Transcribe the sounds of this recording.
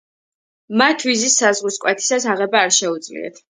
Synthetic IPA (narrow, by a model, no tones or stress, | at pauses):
mat̪ʰvizisːazʁiskʼwɛt̪ʰi̥sasaʁɛbaːɾʃɛud̪zlḭɛ̰t̪ʰ